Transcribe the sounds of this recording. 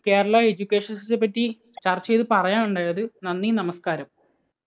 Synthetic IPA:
ke̞ːɾɐɭɐed͡ʑukʲːe̞ːʂɐnssep̬ːɐtːi | t͡ɕɐre̞jt̪ɨpɐrɐjaːnuɳɖaːjɐðɨnɐnːinɐmɐskaːɾɐm

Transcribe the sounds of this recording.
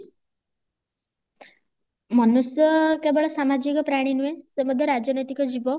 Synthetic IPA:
mɔnusjɔkebɔɭɔsamad͡ʒikɔpɾaɽ̃inuẽsemɔd̪ʱjɔɾad͡ʒɔnɔjt̪ikɔd͡ʒibɔ

